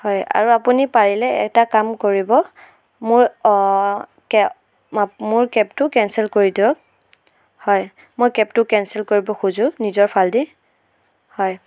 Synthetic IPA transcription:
hɔja̰ɹuapunipaɹilɛɛ̰takamkoɹibɔ | mʊɹ | kɛ | mʊɹkɛp̚tʊkɛnsɛlkoɹidiɔk̚ | hɔj | mojkɛp̚tʊkɛnsɛlkoɹibɔxuzʊ̃nizɔɹpʰaldi | hɔj

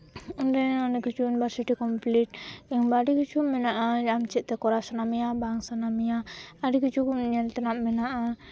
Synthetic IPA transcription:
undananəkit͡ʃunbaɾsiʈikɔmplit̪̚jaŋbadikit͡ʃumɛnaʔad͡ʒamt͡ʃiʔt̪ɛkɔɾasanamiabaŋsanamiaːdikit͡ʃukuɲant̪ənaʔmɛnaʔa

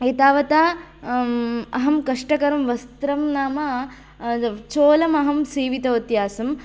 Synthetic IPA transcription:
eːt̪aːʋɐt̪aː | ɐɦɐmkɐʂʈɐkɐɾɐmʋɐst̪ɾɐmnaːmɐ | t͡ʃoːlɐmɐɦɐmsiːʋit̪ɐʋɐt̪jaːsɐm

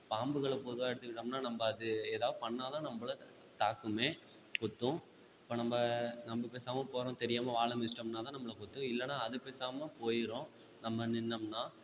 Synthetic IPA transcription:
paːmbɯɣɐɭɐpɔðɯʋaːɛɽɯt̪ːɯʋɪʈːɐmnaːnɐmbɐːðɯeːðaːʋðɯpɐɳːaːt̪ãːnɐmbɐɭɐ | t̪aːkːɯmeː | kʊt̪ːʊ̃ | ɪpːoːnɐmbɐnɐmbɯpeːsaːmɐpoːɾõːt̪ɛɾɪjaːmɐʋaːɭɐmɪsʈɐmnaːt̪ãːnɐmːɐɭɐkʊt̪ːʊ̃ɪlːɐnːaːɐðɯpeːsaːmɐpoːjɪɾõ | nɐmːɐnɪnːɐmnaː

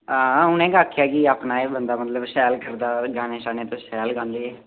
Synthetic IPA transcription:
ãːʊnẽːɡaːkʰːjaːkiaːpnaːeːbənd̪aːmət̪ləbʃɛːlkəɾd̪aːɡaːneːʃaːnẽːt̪õːʃɛːlɡãːnd̪eːɛː

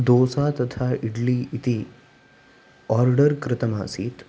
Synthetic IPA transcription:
d̪oːsat̪ət̪ʰaɪʈliit̪i | ɔːɾɖəɾkɾɪt̪əma̰ːsit̪

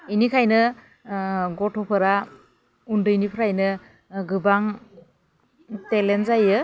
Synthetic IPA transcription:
ijnikʰajnɯ | ɡɔtʰɔpʰɯɾa | undɯjnipʰɾajnɯ | ɡɯbaŋ | telenzajɯ

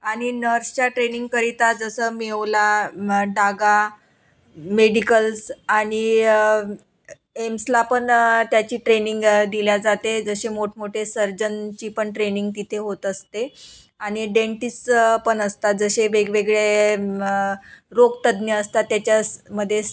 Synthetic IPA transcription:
aɽ̃inəɾst͡ɕaʈɾeniŋɡ̚kəɾit̪ad͡zəsəmeʋlaɖaɡa | meɽikəlsaɽ̃i | emslapəɳt̪jat͡ɕiːʈɾeniŋɡd̪iljad͡zat̪ed͡zəɕemoʈ̚ʰmoʈʰesəɾd͡ʑənt͡ɕiːpəɳʈɾeniŋɡt̪it̪ʰeɦot̪əst̪e | aɽ̃iɖeɳʈispəɳəst̪ad͡zəɕeʋeɡʋeɡɭe | ɾoɡ̚t̪əd̪njəəst̪at̪jat͡ɕjaməd̪ʱːje

